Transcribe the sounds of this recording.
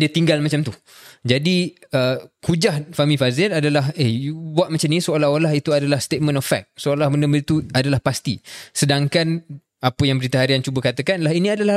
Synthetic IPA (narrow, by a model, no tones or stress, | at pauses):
diət̪iŋɡalmat͡ʃamt̪u | d͡ʒadi | əkud͡ʒahfamĩfazɪladalaɦeubwaʔmat͡ʃamnisoalaholaɦit̪uadalahst̪et̪̚mə̃nɔfɛ̰k̚soolahbəndəbədit̪uadalahpast̪ḭsədaŋkan | apəjaŋbəɾit̪aɦaɾiant͡ʃubəkat̪əkanlaɦinĩadala